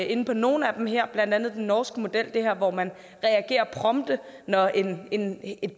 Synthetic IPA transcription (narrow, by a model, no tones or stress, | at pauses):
e̝nəpʰɒ̽no̝ːn̩æd̥emɦeɐ̰b̥lænd̥ænð̩ˠd̥enːɒːsɡ̥əmo̝d̥el̰d̥e̝hæɐ̰ʋɒmæn | ʁɛæɡ̥e̝̰ːɐpʰʁɒ̽md̥ənɒʔenene̝d̥̚